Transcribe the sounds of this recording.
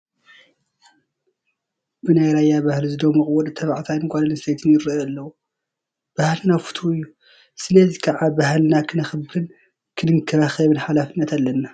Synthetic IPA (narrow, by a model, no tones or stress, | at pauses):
bɨnajɾajːabahlizɨd̪omɔχʼwɔd̪t̪ʰɐβaʕt̪ʰajnkʷʼalɐlɨst̪ʰejt̪ʰɨnjɪɾalːɐwu | b̥ahlɨnafu̥t̪ʰuɨjːu | sɨlɐzikʰɐʕabahlɨnakʰɨnɐxbɨɾɨn | kʰɨnɨŋkʰɐɾaxɐβɨnħalafɨnːɐt̪ʰalːɐnːa